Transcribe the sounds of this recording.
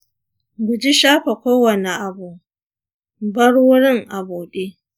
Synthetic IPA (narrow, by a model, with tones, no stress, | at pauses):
ɡʷʊ˨d͡ʒi˦ʃaː˦ɸe˨kʷoː˦wɐ˨ne˨ʔa˨buː˨ | bɐ˦ɽwʊ˦ɽɪ˦˨ŋʔa˨buː˨ɗeː˦